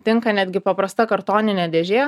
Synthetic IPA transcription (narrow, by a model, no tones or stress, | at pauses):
t̪ʲɪŋkɐnʲæːd̪ʲɡʲɪpɐpɾɐst̪ɐkɐɾt̪oːnʲɪnʲɛd̪ʲɛːʒʲeː